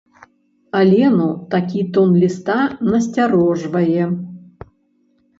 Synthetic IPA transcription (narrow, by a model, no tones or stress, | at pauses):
alʲɛnut̪akʲit̪ɔnlʲist̪anɐsʲtʲaɾɔʐvɐjɛ